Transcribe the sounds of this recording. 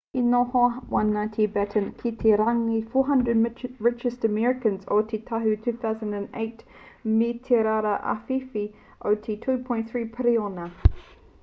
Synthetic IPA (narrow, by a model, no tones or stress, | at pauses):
inːɔhɔwʔãnːãɪ̃ntʰibɛtʰə̃nkʰitʰiɾaŋifɔːɦɐ̃ndɹəd̚ɹɪt͡ʃəstəmɛɹɪkə̃nzo̰tʰitʰaɦʉtʰʉːθaʊzə̃ndə̃nḛɪt | mitʰɛɾaɾəʔa̰fifi | ʔoʊtʰitʰʉːpʰɔ̃ɪ̃nθɹiːpʰəɾiɔnə